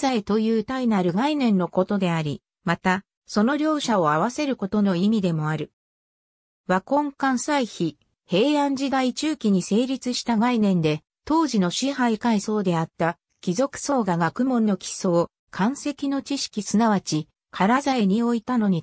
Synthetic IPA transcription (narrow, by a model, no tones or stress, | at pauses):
zaet̪o̞jɯːt̪ainaɾɯ̟ɡainẽ̞nːo̞ko̞t̪o̞d̪e̞aɾʲi | mat̪a | so̞no̞ɾʲjo̞ːɕaoaβ̞ase̞ɾɯ̟ko̞t̪o̞no̞imʲid̪e̞mo̞aɾɯ̟ | βakõ̞ŋkãɰ̃saiçi | he̞ːãɲ̟d͡ʑid̪ait͡ɕɨːkʲiɲ̟ise̞ːɾʲit͡sɨɕi̥t̪aɡainẽ̞nd̪e̞ | t̪o̞ːʑino̞ɕiɦaikaiso̞ːd̪e̞at̪ːa | kʲizo̞kɯ̟̥so̞ːɡaɡakɯ̟mõ̞nːo̞kʲi̥so̞ː | kʰãɰ̃se̞kʲino̞t͡ɕiɕi̥kʲisɨnaβat͡ɕi | kʰaɾazaeɲ̟io̞it̪ano̞ɲ̟i